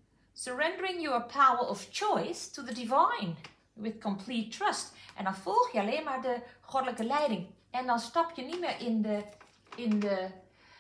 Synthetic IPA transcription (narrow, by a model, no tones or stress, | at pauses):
səɹɛ̃ndəɹɪ̃ŋjəɹpʰawəɹɔft͡ʃɔɪstʰuðədɪvaɪn | wɪðkʰɔmpʰlitʰːɹʌstʔɛ̰̃ndɑnfɔlˠxjəɑleːnmaːɹdəχɔdələkəlɛjdɪ̃ŋ | ʔɛ̃ndɑ̃nstɑpʰjənitmɪːɹʔɪndə | ɪndə